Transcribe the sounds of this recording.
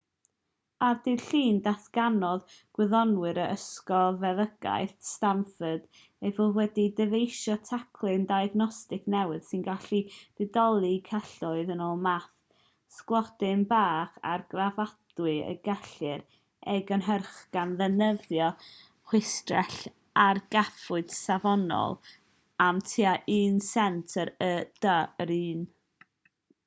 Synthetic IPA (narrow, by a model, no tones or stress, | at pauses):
ardɪɬiːndaθɡ̥anɔðɡ̥wɪðɔnwɨɾəʔəskɔvɛðəɡ̥a̰jθstamfəd̥ | ejvʊlˠwɛdidɛvejʃɔtʰakʰlˠɨndajaɡnɔstɪknɛwɪð̥sɨnɡaɬiv̥ɨdɔlˠikʰaɬʊɨðənoːlˠmaθ | sklˠɔd̥ɪnbaːχa̰rɡravad̥wɨə̰ɡɛɬɨɾ | ɛɡənɦərχɡ̥anðɛnəvjɔ | χwɪstrɛ̰ɬ | arɡ̥afʊɨd̥savɔnɔ̰lˠ | amtʰiaʔɨːnsɛntʰəɾəd̥əɾiːn